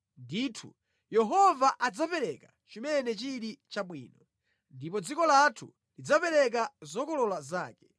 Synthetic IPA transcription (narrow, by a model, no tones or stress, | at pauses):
ndiːtʰṵ | jɛɦɔvaʔad͡zapɛɾɛka | t͡ʃimɛnɛt͡ʃiɾit͡ʃaɓwiːnɔ | ndipɔd͡zikɔlatʰṵ | lid͡zapɛɾɛk̬azɔkɔlɔlazaːkɛ̥